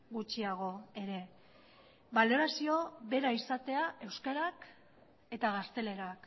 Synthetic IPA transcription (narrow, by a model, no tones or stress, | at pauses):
ɣut͡ʃiaɣ̞o̞e̞ɾe̞ | βalo̞ɾasio̞βe̞ɾaisat̪e̞aʔe̞wskaɾak | e̞t̪aɣ̞ast̪e̞le̞ɾak